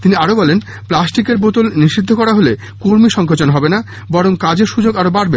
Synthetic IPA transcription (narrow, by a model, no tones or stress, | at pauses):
t̪iniaɾobɔlen | plasʈikeɾbot̪olniʃid̪ʱːokɔɾaɦole | koɾmiʃɔŋkʰot͡ɕonɦɔbena | bɔɾoŋkad͡ʑeɾʃud͡ʑoɡaɾobaɽbe